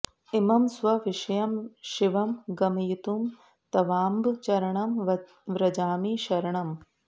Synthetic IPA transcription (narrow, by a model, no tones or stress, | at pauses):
imɐmsʋɐʋɪʃɐjɐmʃiʋɐmɡɐmɐjit̪um | t̪ɐʋaːmbt͡ʃɐɾɐɳɐm | ʋɾɐd͡ʒaːmiːʃɐɾɐɳɐm